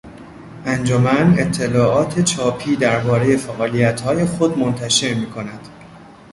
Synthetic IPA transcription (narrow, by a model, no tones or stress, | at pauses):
ʔænd͡ʒomæne̞t̪ʰːe̞lɒːʔɒːt̪ʰe̞t͡ʃʰɒːpʰiːd̪æɾbɒːɾe̞je̞fæʔɒːlijæt̪hɒːje̞xod̪mo̞nt̪ʰæʃe̞ɾmiːkʰo̞næd̪̥